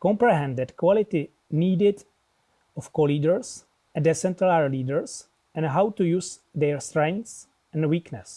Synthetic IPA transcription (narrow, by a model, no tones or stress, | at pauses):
kɔ̃mpɾɛɦɛ̃ndɪdkwɔlɪt̪ɪ | niːdɪd | ɔfkoliːdəɹs | ɛd̪ɛsɛ̃nt̪əlaɹliːdəɹs | ɛ̃nɦawt̪ujuːsd̪ɛɹst̪ɹɛ̃ŋs | ɛ̃nwiːknɛs